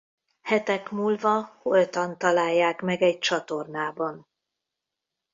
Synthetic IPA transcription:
hɛt̪ɛkmuːlvɒholt̪ɒnt̪ɒlaːjːaːkmɛɡɛc̚t͡ʃɒt̪o̞rnaːbɒn

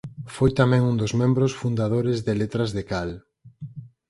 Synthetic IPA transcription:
fojt̪amɛ̃ŋund̪ozmẽmbɾosfund̪aðoɾɪzðelet̪ɾazðekal

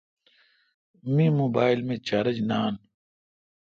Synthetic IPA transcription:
mĩmoːbaːilmẽt͡ɕaɾɐd͡ʑnaːn

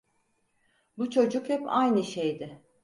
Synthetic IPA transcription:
but͡ʃʰo̞d͡ʒukhɛpajnɯʃejd̪ɪ

